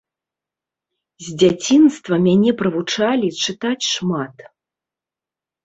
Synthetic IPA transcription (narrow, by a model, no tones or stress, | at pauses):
zʲd͡zʲat͡sʲinst̪vɐmʲanʲɛpɾɨvut͡ʂalʲit͡ʂɨt̪at͡sʲʂmat̪